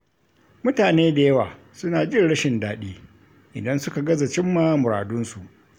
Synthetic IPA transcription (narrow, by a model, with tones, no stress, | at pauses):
mʊ˦taː˨neː˦da˨jɐ˦waː˨ | sʊ˦naː˨d͡ʒɪ˦nɽɐ˦ʃɪ˨ndaː˨ɗiː˦ | ʔɪ̰˨dɐ˦nsʊ˦ka˨ɡɐ˦za˨t͡ʃɪ˦mːaː˦mʊ˨ɾa̰ː˨dʊ˦nsu˨ʔ